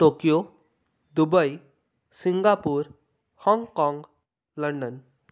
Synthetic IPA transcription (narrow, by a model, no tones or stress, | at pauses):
ʈokijo | d̪ubəj | sĩŋɡapuːɾ | hɔ̃ŋɡkɔ̃ŋɡ | ləɳɖən